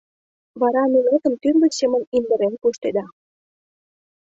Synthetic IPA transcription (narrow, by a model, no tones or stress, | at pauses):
βɑɾɑnelet̪ə̆nt̪ynbəɕemənind̪ə̆ɾenpuʃt̪ed̪ɑ